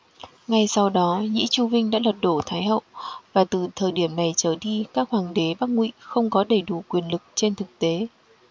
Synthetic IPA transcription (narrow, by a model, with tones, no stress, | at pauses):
ŋa˧jsa˧wɗɔ˨˦ɲḭ˧˥t͡ɕu˧vï˧ŋɗa̰ː˧˥lwə˨˩t̚ɗo˧˩t̪ʰaː˨˦jɦə̰˧˨wvaː˨˩t̪ɨ˨˩t̪ʰəː˨˩jɗi˧˩əmna˨˩jt͡ɕəː˨˩ɗi˧kaː˦˥k̚hwaː˨˩ŋɗe˨˦ɓaː˦˥k̚ŋwḭ˧˨xə˧wŋ͡mkɔ˨˦ɗə˧˩jɗu˧˩kwi˨˩ənlɨ˨˩k̚t͡ɕe˧nt̪ʰɨ˨˩k̚t̪e˨˦